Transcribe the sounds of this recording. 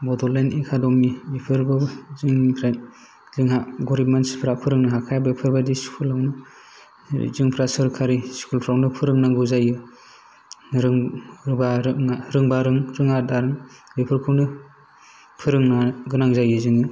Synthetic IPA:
bɔdɔlenikʰadɔmibipʰɯɾbɯziŋpʰɾa | ziŋɦaɡɔɾimansi̥pʰɾapʰɯɾɯŋnɯɦakʰajbɯpʰɯɾbadiskʰulawnɯ̰ | ziŋpʰɾasɯɾkʰaɾiskʰulpʰɾawnɯpʰɯɾɯŋnaŋɡuzajɯ | ɾɯŋbaɾɯŋaɾɯŋbaɾɯŋɾɯŋadaɾɯŋ | bipʰɯɾkʰɯwnɯ | pʰɯɾɯŋnaɡɯnaŋzajɯzɯŋi

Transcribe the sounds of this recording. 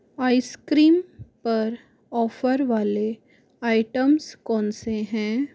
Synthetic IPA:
aːɪskɾiːmpɐɾ | ɔːfəɾʋaːle | aːɪʈəmskɔːnseɦɛ̃ː

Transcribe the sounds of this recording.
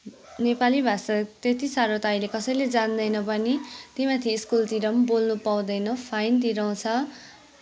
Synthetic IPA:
nepalibʱasat̪et̪isaɾʌt̪ajlekʌsʌjled͡zand̪ʌjnʌpʌnit̪imat̪ʰiːskult̪iɾʌmbolnupaw̃d̪ʌjnʌpʰajnt̪iɾʌw̃t͡sʰʌ

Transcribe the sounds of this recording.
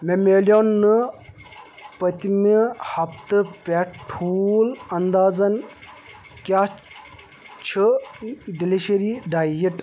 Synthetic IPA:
memeːljoːnːɨ | pɐt̪imihɐp̚t̪ɨpʲɛʈʈʰulɐnd̪aːzɐn | kʲaː | t͡ʃʰɨ | ɖiliʃɐɾiɖaːjiʈ

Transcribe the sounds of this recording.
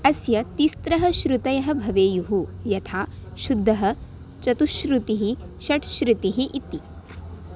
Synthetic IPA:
ɐsjɐt̪ist̪ɾɐɦɐʃɾut̪ɐjɐɦɐ̆bʱɐʋeːjuɦujɐt̪ʰaːʃud̪ʱːɐɦɐ̆ | t͡ʃɐt̪uʃɾut̪iɦiʃɐʈʃɾut̪iɦiʔit̪ːi

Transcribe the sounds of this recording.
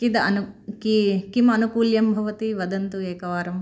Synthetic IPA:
kid̪ɐɐnukikimɐnukuːljɐmbʱɐʋɐt̪iʋɐd̪ɐnt̪ueːkɐʋaːɾɐm

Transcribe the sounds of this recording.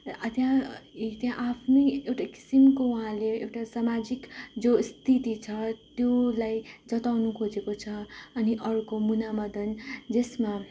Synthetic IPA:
ʌt̪jãt̪jãʔapʰniewʈaki̥simkouɦãleːwʈasamad͡zikd͡zost̪ʰit̪it͡sʰʌt̪jolajd͡zʌt̪awnukʰod͡zekot͡sʰʌʌniʔʌɾukomunamʌd̪ʱʌnd͡zesma

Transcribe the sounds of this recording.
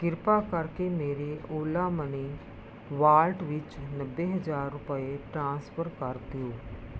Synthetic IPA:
ɡɪɾpakɐɾkemeːɾeoːlaməni | ʋaːlʈʋɪt͡ʃnəbːeɦəd͡ʒaːɾːʊpəeʈɾãːspʰəɾkɐɾt̪ijoː

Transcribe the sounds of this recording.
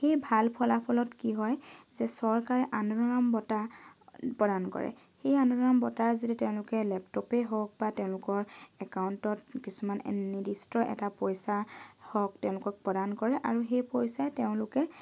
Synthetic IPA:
xejbʱalpʰɔlapʰɔlɔtkiɦɔjzɛsɔɹkaɹɛʔanuɹɔɹambɔta | pɹɔdankɔ̰ɹɛ̰ | xejanuɹɔɹambɔtaɹzititɛʊ̃lʊkɛlɛptɔpeɦɔk̚batɛʊ̃lʊkɔɹɛkaʊntɔt̚kisuman̰nidistɔʔɛ̰tapɔjsahɔk̚tɛʊ̃lʊkɔk̚pɔdankɔɹɛʔa̰ɹuxejpɔjsaɛteʊ̃lʊkɛ

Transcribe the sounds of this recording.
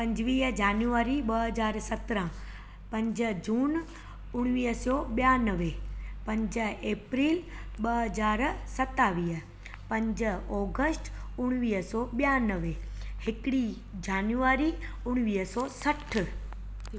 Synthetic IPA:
pɐ̃ɲd͡ʑʋiːɦd͡ʒaːnjuaːɾiɓɐɦɐzaːɾsɐt̪ɾə̃ | pɐ̃ɲd͡ʑə̆d͡ʑuːn | ʊɽ̃ʋiːɦsɔːɓijaːnəʋepɐ̃ɲd͡ʑəeːpɾiːlɓɐɦəzaːɾsɐt̪aːʋiːɦ | pɐ̃ɲd͡ʑ̆ɔːɡəsʈʊɽ̃ʋiːɦsɔːɓijaːnəʋehɪkɪɽi | d͡ʑaːnjuaːɾi | ʊɽ̃ʋiːɦsɔːsɐʈʰ

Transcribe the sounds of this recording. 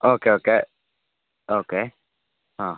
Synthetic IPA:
ʔoːkeːoːke | oːkeː | hã

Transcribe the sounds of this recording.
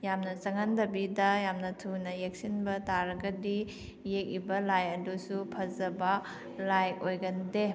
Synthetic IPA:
jamnɐt͡ʃɐŋɐndɐbidɐjamnɐtʰunɐjek̚sinbɐtaɾɐɡɐdi | jek̚ibɐlajɐdusupʰɐzɐbɐ | lajojɡɐnde

